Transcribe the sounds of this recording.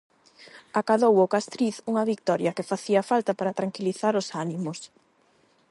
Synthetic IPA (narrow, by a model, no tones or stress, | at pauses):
akaðowokast̪ɾiθuŋɐβik̚t̪ɔɾjɐkefaθiɐfalt̪ɐpaɾɐt̪ɾaŋkiliθaɾʊsanimʊs